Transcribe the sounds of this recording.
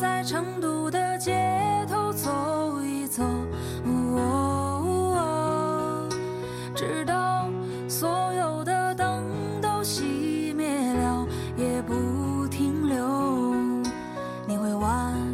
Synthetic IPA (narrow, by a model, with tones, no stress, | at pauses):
t͡sa˥˩ɪʈ͡ʂʰɤ˧˥ŋt̪u˨˩d̪ə˧t͡ɕjɛ˧˥t̪ʰo˧˥ʊt͡sʰo˨˧˦ʊy˧t͡sʰo˧˩ʊ | u˧˩ɔ˧u˥o˧ | ʈ͡ʂɻ̩˨˩t̪ɑ˥˩ʊ | swɔ˧˥jo˨˩ʊd̪ə˧t̪ɤ˥ŋ | t̪o˥ʊɕi˧˥mjɛ˥˧˩nljɑ˧˥ʊ | jɛ˨˩pu˧˥t̪ʰi˧˥ŋljo˧˥ | ni˨˩xwe˥˩ɪwa˧˥n